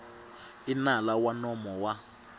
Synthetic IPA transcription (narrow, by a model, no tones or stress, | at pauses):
inalawanɔmɔwa